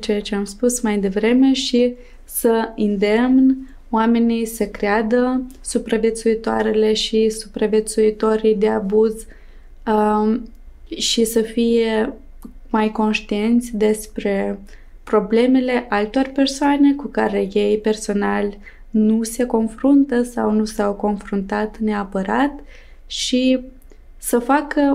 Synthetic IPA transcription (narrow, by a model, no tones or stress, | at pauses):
t͡ʃejat͡ʃe̞amspusmajd̪e̞vɾe̞me̞ʃi | səɨnd̪e̞mn | oame̞nijsəkɾead̪ə | supɾavje̞t̪suit̪oaɾe̞le̞ʃisupɾavʲje̞t̪suit̪o̞ɾijd̪e̞abuz | ʃisəfije̞ | majko̞nʃt̪ie̞nt̪sʲd̪e̞spɾe̞ | pɾo̞ble̞me̞le̞ʔalt̪o̞rʲpe̞rsoane̞kukaɾe̞je̞jpe̞rso̞nalʲ | nuse̞ko̞nfɾunt̪əsawnusawko̞nfɾunt̪at̪ne̞apəɾat̪ | ʃi | səfakə